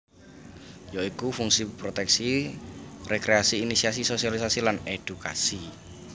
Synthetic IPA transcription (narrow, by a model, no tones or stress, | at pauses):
joikufuŋsipɾot̪ɛksi | rekɾeasiːnisiasisosialisasilaned̪̥uka̰si